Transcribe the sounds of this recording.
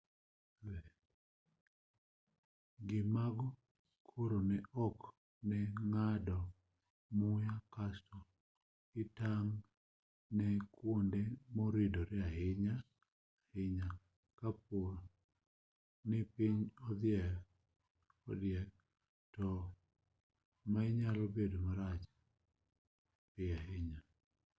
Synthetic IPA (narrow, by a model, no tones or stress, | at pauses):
ɛ | ɡɪmaɡɔ | kʰoɾonɛʔɔk | nɛŋadɔ | mʊjakasto | ɪtaŋ | nɛkwondemoɾidoɾɪahɪɲa | hɪɲa | kap̚or | nɪpɪɲɔd̪ɪɛ | ɔ̰djɛk̚ | tɔ | maɪɲalɔbedomaɾat͡ʃ | pɪaɦɪɲa